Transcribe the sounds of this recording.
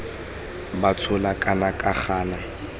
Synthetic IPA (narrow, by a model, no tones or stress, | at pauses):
bat͡sʰʊlakʼanakʼaχaːna